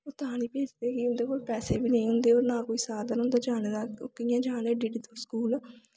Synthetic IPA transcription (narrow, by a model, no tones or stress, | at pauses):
oːt̪aːniːpeːd͡ʒd̪eːkiːʊnd̪eːkoːlpɛːseːbiːnəĩːɦʊnd̪eːoːɾnaːkoːiːsaːɾd̪ənɦʊ̃nd̪aːd͡ʒaːned̪aːkɪjãːd͡ʒaːneːɖiɖit̪əskuːlː